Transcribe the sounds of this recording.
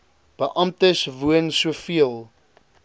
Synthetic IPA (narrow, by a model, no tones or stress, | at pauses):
b̥əʔɐmtəsvuənsuəfiəlˠ